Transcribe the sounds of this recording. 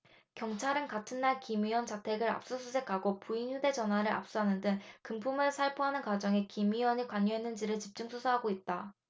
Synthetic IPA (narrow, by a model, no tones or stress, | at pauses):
kjʌŋt͡ɕʰaɾɯnkatʰɯnːaɭkimiwʌnt͡ɕatʰe̞ɡɯɾa̰p̚s͈usʰusʰe̞kʰaɡopuinçude̞d͡ʑʌnɦwaɾɯɾa̰p̚s͈uɦanɯndɯŋkɯmpʰumɯɭsʰaɭpʰoɦanɯnkwad͡ʑʌŋe̞kimiwʌɲikwaɲːuɦe̞nːɯnd͡ʑiɾɯɭt͡ɕip̚t͡ɕ͈uŋsʰusʰaɦaɡoit̚t͈a